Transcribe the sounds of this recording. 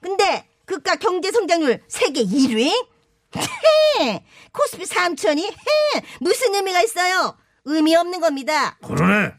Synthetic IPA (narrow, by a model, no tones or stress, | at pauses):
kɯnde̞ | kɯk̚k͈akjʌŋd͡ʑe̞sʰʌŋd͡ʑaŋɲuɭsʰe̞ɡe̞iɾwi | ee | kʰos͈ʰɯ̥pʰisʰamt͡ɕʰʌɲihemusʰɯnɯmiɡais͈ʌjo | ɯmiʌmnɯnɡʌmɲidakɯɾe